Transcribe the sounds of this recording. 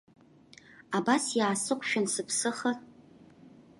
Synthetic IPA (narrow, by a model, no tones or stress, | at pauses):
abasjaːsɨqʷʰʼʃᶣʊnsɨpʰsɨχə